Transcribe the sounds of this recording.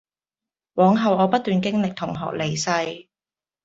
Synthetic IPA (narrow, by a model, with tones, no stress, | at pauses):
wɔː˨˥ŋɦɐ˨wɔː˨˧pɐ˥t̪̚ːyː˨nkɪ˥ŋlɪ˨k̚t̪ʰʊ˨˩ŋɦɔ̰ː˨˩k̚le˨˩jsɐ˧j